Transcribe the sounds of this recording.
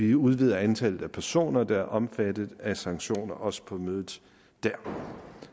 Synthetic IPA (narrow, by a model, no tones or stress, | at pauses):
iuð̞ˠʋið̞ˠɐænt͡sʰæl̰ð̩ˠæpʰæɐso̝̰ːnɐd̥ɑ̈æɐʔɒ̽mfæd̥ð̩ˠæsɑ̈ŋɡ̥ɕo̝̰ːnɐʔɒ̽sə̥pʰɒ̽møːðˠð̩ˠ | d̥æɐ̰